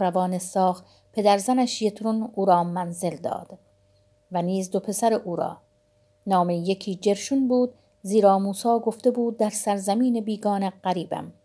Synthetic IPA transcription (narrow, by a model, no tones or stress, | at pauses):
ɾævɒːnesɒːx | pʰe̞d̪æɾzænæʃjet̪ʰɾunuːɾɒːmænze̞ld̪ɒ̰ːd̪̥ | væniːzd̪opʰe̞sæɾeʔuːɾɒ̰ː | nɒːmejekʰiːd͡ʒe̞ɾʃunbuːd̪ | ziːɾɒːmuːsɒːɡo̞ft̪e̞buːd̪̚ːæɾsæɾzæmiːnebiːɡɒːneɢæɾiːbæ̰m